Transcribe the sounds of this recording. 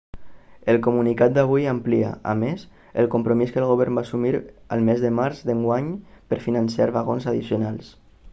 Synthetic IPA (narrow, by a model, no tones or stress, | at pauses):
əlˠkumunikat̪̚d̪aβ̞ujamplia̰ʔa̰mes | əlˠkumpɾomiskəlˠɣoβ̞ɛɾmbaːsumiɾə̰lˠmezðəmaɾzd̪əŋɡwaɲpəɾfinənsiaɾβaɣonzaðisjunalˠs